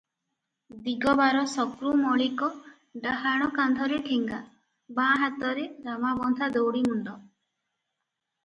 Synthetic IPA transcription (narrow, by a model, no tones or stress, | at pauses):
d̪iɡɔbaɾɔsɔkɾumɔɭikɔ | ɖaɦaɽ̃ɔkand̪ʱɔɾeʈʰiŋɡa | bãɦat̪ɔɾeɾamabɔnd̪ʱad̪owɽimuɳɖɔ